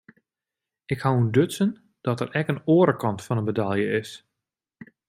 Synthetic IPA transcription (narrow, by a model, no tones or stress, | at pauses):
ɪkhawundøtsən | d̥ɔtəɾɛkənoːəɾəkɑntfɔnənbədalˠjəɪs